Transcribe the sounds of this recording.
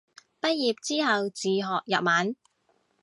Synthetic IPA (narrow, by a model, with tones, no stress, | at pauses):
pɐ˥t̚jiː˨p̚t͡siː˥ɦɐ˨wt͡siː˨˩ɦɔː˨k̚jɐ˨p̚maː˨˥n